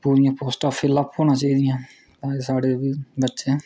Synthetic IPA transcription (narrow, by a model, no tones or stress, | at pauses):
puːɾɪjãːpoːsʈaːpʰelapɦoːnãːt͡ʃaːiːd̪ɪjãː | t̪ãːeːsaːɽeːʋiːbətːʃẽ